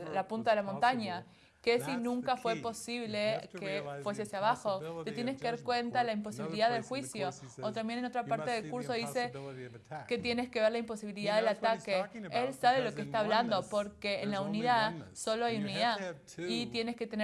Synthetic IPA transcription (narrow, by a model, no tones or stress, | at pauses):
lapunt̪aðe̞lamo̞nt̪aɲa | kesinũŋkafwe̞po̞siβlekefwe̞seasjaβaxo̞t̪e̞t̪je̞neskeðaɾkwe̞nt̪alaimpo̞siβiliðaðelxwisjo̞ | ot̪ambje̞neno̞t̪ɾapaɾt̪e̞ðelkuɾso̞ðise̞ | ke̞t̪jeneske̞βe̞ɾlaimpo̞siβiliðaðelat̪akeelsaβelo̞keːst̪aːβland̪o̞po̞ɾkeːnlauniðaðso̞lo̞ajuniða | it̪je̞nesket̪ene